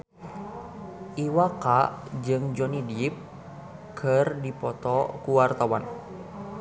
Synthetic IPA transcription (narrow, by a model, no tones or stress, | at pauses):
ʔiwakad͡ʒɨŋd͡ʒɔnidip̚ | kʰɨrdipɔt̪ɔkuwart̪awan